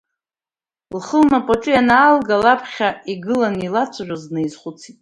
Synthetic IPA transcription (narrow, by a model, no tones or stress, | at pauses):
lχəlmapʼoʈ͡ʂʼɨjanaːlɡalapʰχʲaiɡɨlanilat͡sʷʰaʒʷᶣazneizχʷʊt͡sʰitʼ